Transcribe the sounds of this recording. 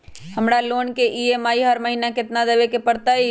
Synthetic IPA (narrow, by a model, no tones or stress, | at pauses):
həmɽaloːnkeʔiemaːiɦəɾməɦiːnakɪt̪nad̪əʋekepəɽt̪ai